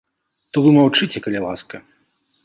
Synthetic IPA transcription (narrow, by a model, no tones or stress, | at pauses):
t̪ɔvɨmawt͡ʂɨt͡sʲɛkɐlʲɛlˠa̰skɐ